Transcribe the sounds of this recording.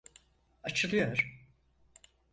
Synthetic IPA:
at͡ʃʰɯlˠɯjoɾ̥

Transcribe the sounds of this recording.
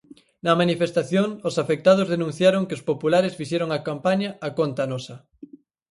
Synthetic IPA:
nɐmanifest̪aθjoŋosafek̚t̪að̞ʊzðenũn̟θjaɾoŋkɪospopulaɾesfiʃɛɾoŋakampaɲɐːkont̪ɐnɔsɐ

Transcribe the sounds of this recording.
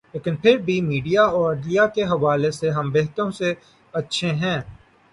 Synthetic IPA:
leːkɪnpʰɪɾbʱimiːɖijaɔːɾɐɖlijakeɦɐʋaːleseɦɐ̃mbeɦt̪əɾõse | ɐtːʃʰeɦɛ̃ː

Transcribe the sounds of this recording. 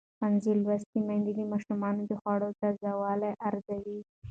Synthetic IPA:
panzilwast̪imand̪id̪əmɑʃumɑnod̪əxwɑɽot̪azawɑlaʔaɾzawi

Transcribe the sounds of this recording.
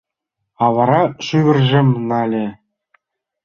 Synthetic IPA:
ɑʋɑɾɑʂyʋʲɘ̆rʲʒɘ̆mʲnɑlʲĕ

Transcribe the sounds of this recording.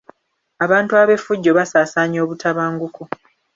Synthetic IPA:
aβaːntuaβe̞fuɟːo̞βasaːsaːɲo̞ːβutʰaβaːŋɡuko

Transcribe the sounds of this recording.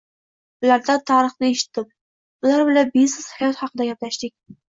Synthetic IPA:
ʊlaɾd̪at̪ʰɑɾɨχnɪeʃɪ̥t̪ʰːɪp̚ | ʊlaɾbɪlabisɪz̥hajɒt̪hɑqʰɨd̪aɡʲaplaʃd̪ɪk̚ʲ

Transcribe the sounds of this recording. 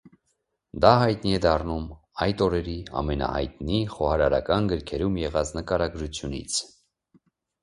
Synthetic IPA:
d̪ɑɦɑjt̪niɛd̪ɑrnum | ɑjt̪ɔɾɛɾiɑ̰mɛnɑ̰hɑ̰jt̪niχɔhɑɾɑɾɑ̰kɑnɡəɾkʰɛɾumjɛʁɑt͡snəkɑɾɑɡɾut͡sʰjunḭt͡sʰ

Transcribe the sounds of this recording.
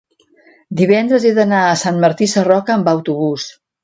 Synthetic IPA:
d̪iβ̞ɛnd̪ɾəzeðənaəsanməɾt̪isərɔkəːmbawt̪uβus

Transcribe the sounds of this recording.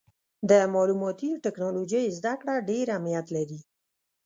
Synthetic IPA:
d̪əmɑlumɑt̪iʈɪknɑlod͡ʒəjzd̪akɽaɖeɾamnijat̪laɾi

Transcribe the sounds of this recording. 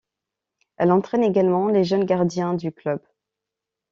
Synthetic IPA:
ɛlɑ̃t̪χɛneɡalmɑ̃leʒənɡaʁd̪jɛ̃d̪yklœb

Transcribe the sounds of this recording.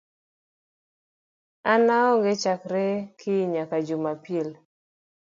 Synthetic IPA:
anaɔŋɡɪt͡ʃakɾekʰɪɲakad͡ʒumapjel

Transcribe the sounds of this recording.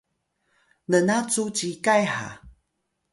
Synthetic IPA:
lənat͡sut͡ɕikajha̰

